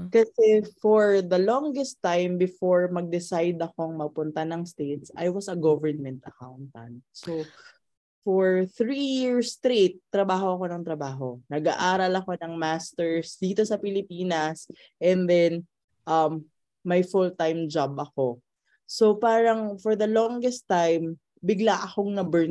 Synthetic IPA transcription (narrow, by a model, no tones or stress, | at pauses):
kɐsɛfɔɹðɐlɔŋɡɛst̪ːajmbɪfoɹmɐɡ̚d̪ɪsajd̪ɐko̞ŋmɐɡ̚pʊnt̪ɐnɐŋst̪et̪sʔɐ̰jwɐsɐɡovɛɹnmɛnt̪ɐkawnt̪ɐ̰̃nd̪̚so | fɔɹθɹijiɹst̪ɾet̪ːɾɐbaːɦo̞ɐko̞nɐŋt̪ɾɐbaːɦo̞nɐɡa̰ʔaːɾɐlɐko̞nɐŋmast̪ɛɹsd̪iːt̪osɐpɪlɪpiːnɐs | ʔɛnd̪ɛn | ʔɐmː | ɐjfʊlt̪ajmd͡ʒabʔɐko̞ | sopaːɾɐŋfɔɹðɐlɔŋɡɛst̪ːajm | bɪɡlaʔɐkoŋnɐbɛɹ